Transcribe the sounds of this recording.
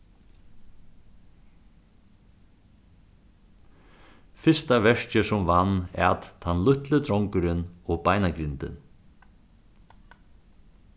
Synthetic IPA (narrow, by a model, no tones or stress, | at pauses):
fɪst̪avɛʂcɪsʊmvanːɛ̰at̪t̪ʰanlʏht̪lɪt̪ɾɔwŋkʏɾɪnɔɣpaːjnakɾɪnt̪ɪ̰n